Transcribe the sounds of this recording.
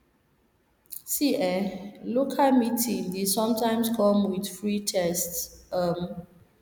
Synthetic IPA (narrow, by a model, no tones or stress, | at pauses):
siʔɛlokʰalmitʰĩŋdidsɔ̃mtãɪmskʰɔ̃mwidfɹitʰɛstsʌm